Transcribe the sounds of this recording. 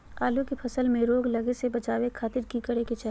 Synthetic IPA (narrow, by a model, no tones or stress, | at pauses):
aːljõkepʰɐsəlmẽɾoːɡlɐɡesebɐt͡ʃaːʋekʰaːt̪ɪɾkikɐɽeket͡ʃɛɦ